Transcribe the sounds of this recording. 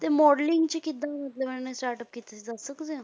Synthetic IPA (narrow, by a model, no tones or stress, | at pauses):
t̪emɔɽliŋɡt͡ɕikid̪aməd̪leməɳnẽsʈaɾʈəp̚kit̪et͡sasəkd͡ze